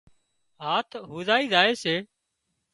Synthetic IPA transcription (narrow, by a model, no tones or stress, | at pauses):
ɦaːt̪ʰɦuːzaːiːzaːeːseː